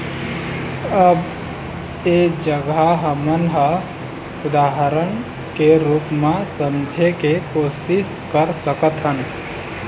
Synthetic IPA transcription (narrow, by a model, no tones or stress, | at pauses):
əb | ed͡ʒəɡaɦəmənɦə | ud̪aɦəɾən | keɾupmasənd͡ʒʱekekosis | kəɾsəkət̪ɦən